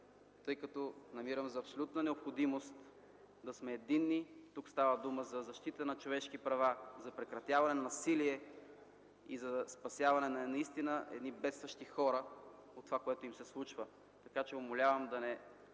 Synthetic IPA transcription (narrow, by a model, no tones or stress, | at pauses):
t̪ɤjkɐt̪ɔnɐmiɾəmzɐːpsolʲut̪nɐnɛopxod̪imost̪ | d̪ɐsmɛːd̪inːit̪ukst̪avəd̪uməzɐzɐʃt̪it̪ənɐt͡ʃovɛʃkipɾɐvazɐpɾɛkɾɐt̪javɐnɛnɐnɐsiliɛ | ḭzɐspɐsʲjavɐnɛnɐɛnɐist̪inəʔɛ̰d̪nibɛt̪st̪vɐʃt̪ixɔɾə | ot̪ːovakoɛt̪oimsɛslˠut͡ʃvə | t̪ɐkat͡ʃɛomolʲavəmd̪ɐnɛ